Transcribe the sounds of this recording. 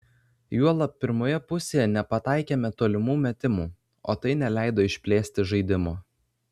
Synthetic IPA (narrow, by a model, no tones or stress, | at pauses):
juɔlˠɐpʲɪɾmoːjɛpʊsʲeːjɛnʲɛpɐt̪ɑˑɪkʲeːmʲɛt̪oːlʲɪmuːmʲɛt̪ʲɪmuː | o̰ːt̪ɐɪnʲɛlʲæˑɪd̪oːɪʃʲpʲlʲeːsʲt̪ʲɪʒɐɪd̪ʲɪmoː